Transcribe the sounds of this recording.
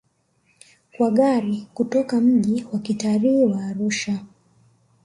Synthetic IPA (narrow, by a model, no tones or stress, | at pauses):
kwaɠaɾikutɔkam̩ʄiwakitaɾiiwaːɾuʃa